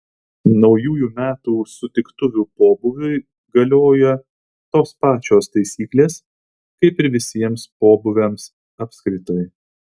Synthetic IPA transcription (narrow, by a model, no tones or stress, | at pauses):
nɒʊjuːjuːmʲæːt̪uːsʊt̪ʲɪkt̪ʊʋʲuːpoːbʊʋʲʊɪ | ɡɐlʲoːjɛ | t̪oːspɑːt͡ʃʲoːst̪ɐɪsʲiːklʲeːs | kɐɪpɪɾʋʲɪsʲiɛmspoːbʊʋʲɛms | ɐːpʲskɾʲɪt̪oɪ